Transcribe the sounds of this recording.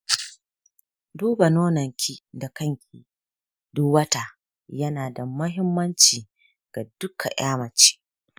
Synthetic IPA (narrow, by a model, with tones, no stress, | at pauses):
duː˦ba˨noː˦nɐ˨ŋkʲʰi˦da˨kɐ˦˨ŋkʲʰiː˨ | dʊ˦wɐ˦ta˨ | jɐ˦naː˨da˨mɐ˦ɦɪ˦mːɐ˦nt͡ʃiː˨ | ɡ̥a˨dʊ˦kʰa̰˨ʔj̰aː˦mɐ˨t͡ʃi̥ː˦